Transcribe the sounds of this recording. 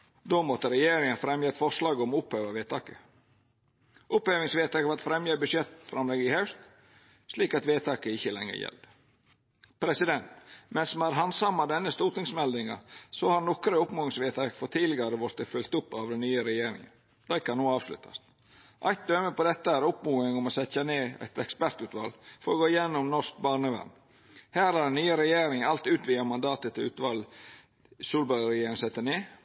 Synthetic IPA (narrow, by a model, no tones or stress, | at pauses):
d̪oːmɔt̪ːəɾɛjeːɾɪŋənfɾɛmjəɛt̪fɔʂlɑːɡɔmɔʊphøːʋɑʋeːt̪ʰɑːkə | ʔʊphøːʋɪŋsʋeːt̪ɑːkəɑt̪fɾɛmjəbʉʂjɛt̪fɾʔɑmlɛɡəɪhɑʉst̪ | ʂliːkɑt̪ʋeːt̪ʰɑːkəɪçəlɛŋːə̰jɛ̰ld̪ | pʰɾɛsɪd̪ɛnt̪mɛnsmɑɾɦɑnsɑmːɑd̪ɛnːəst̪uːɾt̪ɪŋsmɛld̪ɪŋɑ̰sɔhɑɾnɔkːɾəʊpmuːɪŋsʋeːt̪ʰɑkfɔt̪ʰiːlɪɡɑɾəʋɔɾt̪əfʉlt̪ʊpːɑʋd̪ɛnyːəɾɛjeːɾɪ̰ŋə̰n | d̪̥æɪkɑnːoːɑːʋslʉ̰t̪ʰɑ̰st̪ | ʔɑ̰ɪt̪̚d̪øːməpɔd̪ɛt̪ːəæɾʊpmuːɪŋɔmɔsɛçɑneːæ̰ɪt̪ɛkspæɾt̪ʉːt̪ʋɑ̰lfɔɾɔɡoːɪjɛnːɔmnɔsk̚bɑːɾɳəʋɛ̰m | hæːɾhɑɖɛnːyːəɾɛjeːɾɪŋɑlt̪ʉːt̪ʋɪːɑmɑnd̪ɑːt̪ət̪ʰɪlʉ̰ːt̪ʋɑl | suːlbɑɾɪjeːɾɪŋsɛt̪ːəneː